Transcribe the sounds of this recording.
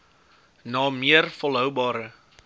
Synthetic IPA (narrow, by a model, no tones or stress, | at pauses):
nɑːmiərfɔlˠɦœwbɑːɾə